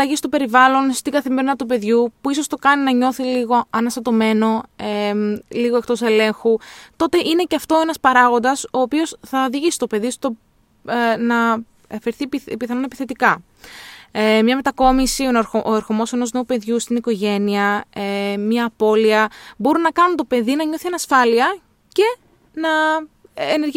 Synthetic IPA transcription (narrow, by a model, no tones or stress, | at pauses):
ɐʝist̪o̞pe̞ɾivɐlo̞nst̪iɡɐθime̞ɾinɐt̪upe̞ðʝupuisost̪o̞kɐninɐɲo̞θiliɣo̞ɐnɐst̪ɐt̪o̞me̞no̞eliɣoe̞k̚t̪o̞sele̞ŋxut̪o̞t̪e̞ʔine̞ceɐft̪o̞e̞nɐspɐɾɐɣo̞nd̪ɐso̞ːpio̞sθɐðiʝist̪o̞pe̞ðist̪o̞ | nɐ | ɐfeɾθippiθɐnonepiθe̞t̪ikɐ | emɲɐme̞t̪ɐko̞misioɾʔoeɾxomo̞se̞no̞zne̞upe̞ðʝust̪iniko̞ʝe̞niɐemɲɐːpo̞liɐbo̞ɾunɐkɐnunt̪o̞pe̞ðinɐɲo̞θienɐsfɐliɐ | ce̞ | nɐ | ene̞ɾʝ